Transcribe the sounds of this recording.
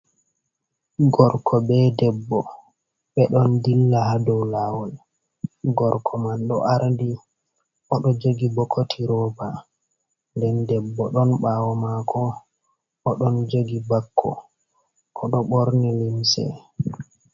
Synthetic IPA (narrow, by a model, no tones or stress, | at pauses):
ɡɔɾkʰɔbɛdɛbːɔ | ɓɛɗɔndilːahadɔwlawɔl | ɡɔɾkʰɔmanɗɔ̰ʔaɾdi | ʔɔɗɔd͡ʒoɡibɔkʰːotʰiɾɔːba | ndɛndɛbːɔɗɔnɓawɔmakʰɔː | ɗɔnd͡ʒoɡibakʰːɔ̰ | kɔɗɔɓoɾnilimsɛ̰